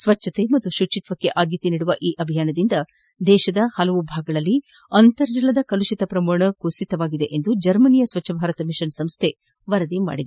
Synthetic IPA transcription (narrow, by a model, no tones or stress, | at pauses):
sʋɐt͡ʃːʃʰːɐt̪e̞mɐt̪ːuʃut͡ʃit̪ʋɐkːe̞ʔaːd̪jɐt̪iniːɽuʋɐʔiːʔɐbʱijaːnɐd̪ind̪ɐ | d̪ɛːʃɐd̪ɐhɐlɐʋubʱaːɡɐɭɐlːi | ɐnt̪ɐɾd͡ʒilɐd̪ɐkɐluʃit̪ɐpɾɐmoːɳɐkuːsit̪ɐʋaːɡid̪e̞ʔend̪ud͡ʒɐɾmɐnijɐsʋɐt͡ʃːʃʰɐbʱaːɾɐt̪ɐmiʃɐnsɐmst̪ʰe̞ | ʋɐɾɐd̪ima̰ːɽid̪e